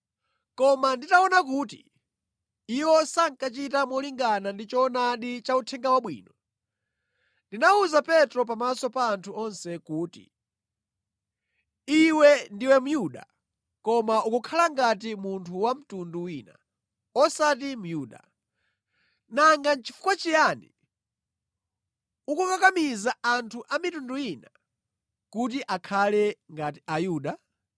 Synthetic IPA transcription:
kɔmanditaɔnakuːtḭ | iwɔsaŋkat͡ʃitamɔliŋɡanandit͡ʃɔnaɗit͡ʃautʰɛŋɡawaɓwḭːnɔ | ndinauzapɛtɾɔp̬amasɔpaːntʰuɔnsɛkuːtḭ | iwɛndiwɛmujuɗa̰ | kɔmaʔukukʰalaŋɡat̬imuntʰuwam̩tunduwiːna̰ | ɔsatimujuːɗa̰ | naŋɡant͡ʃʰi̥fu̥kwat͡ʃijanḭ | ukukakamizaantʰuʔamitundujina | kut̬iʔakʰalɛŋɡatiʔajuːɗa

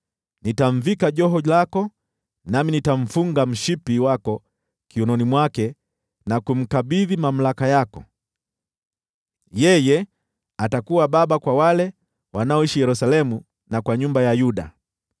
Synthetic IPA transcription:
nitaɱ̩vikaʄɔɦɔlakɔ | naminitam̩fuŋɡam̩ʃipiwakɔ | kiunɔnimwakɛ | nakum̩kaɓiðimam̩lakajakɔ̰ | jɛjɛ | atakuwaɓaɓakwawalɛ | wanaɔiʃijɛɾusalɛmu | nakwaɲumbajajuɗa̰

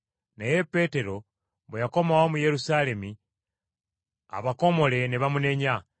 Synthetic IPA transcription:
naje̞pːe̞te̞ɾo̞ | βwejako̞mawomuje̞ɾusaːle̞mi | a̰βako̞mo̞le̞neβamune̞ɲa

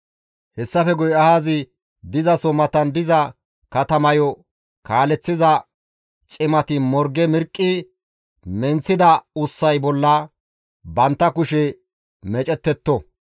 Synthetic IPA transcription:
hɛsːɐfɛɡɔjɐhaːzɪ | d̪ɪzɐsɔmɐt̪ɐnd̪ɪzɐ | kɐt̪ɐmɐjɔ | kaːlɛt͡sːɪzɐ | t͡ʃʼɪmɐt̪ɪmɔɾɡɛmɪɾkʼːɪ | mɛnt͡sːɪd̪ɐʊsːɐjbɔlːɐ | bɐnt̪ːɐkʊʃɛ | mɛt͡ʃʼɛt̪ːɛt̪ːɔ

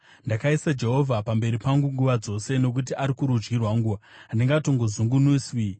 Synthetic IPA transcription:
ndakaisad͡ʒe̞ɦo̞vʱapambe̞ɾipaŋɡuŋɡuʋad͡zo̞se̞no̞k̬ut̬iʔaɾikuɾud͡ʒɡirwaŋɡuʋaːndiŋɡato̞ŋɡozuŋɡunuswi

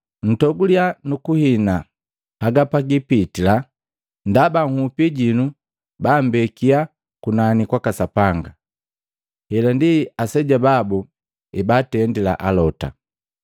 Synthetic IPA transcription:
n̩tɔɡulianukuhina | haɡapaɡipitila | ndabaŋ̩hupiɟinu | bambɛkia | kunanikwakasapaŋɡa | hɛlandiasɛɟababu | ibatɛndila̰ʔalɔta̰

